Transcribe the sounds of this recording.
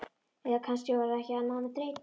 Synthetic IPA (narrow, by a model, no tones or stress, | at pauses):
ɛðakʰanscɪvaɾahcɛanawnat̪ɾeːjt̪